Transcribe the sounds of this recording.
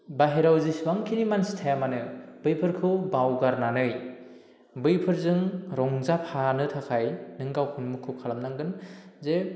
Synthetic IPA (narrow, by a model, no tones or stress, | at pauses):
baɦeɾawzisbaŋkʰinimansi̥tʰajamanɯb̥ɯjpʰɯɾkʰɯwbawɡaɾnanɯj | bɯjpʰɯɾzɯŋɾɔŋzapʰanɯtʰakʰajnɯŋɡawhʰunmukʰɯwkʰalamnaŋɡɯnze